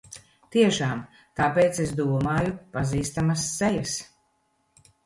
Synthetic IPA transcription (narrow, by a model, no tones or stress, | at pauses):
t̪iɛʃaːm | t̪aːpeːt̪ses̬d̪uːɔmaːjupaziːst̪amasːejas